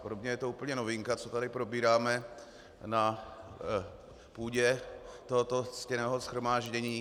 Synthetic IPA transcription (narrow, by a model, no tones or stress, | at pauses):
podobɲɛjɛt̪ouːpl̩ɲɛnovɪŋkat͡sot̪adɪpɾo̞biːɾaːmɛ | na | puːɟɛt̪oɦot̪o̞scɛnɛːɦosxɾomaːʒɟɛɲiː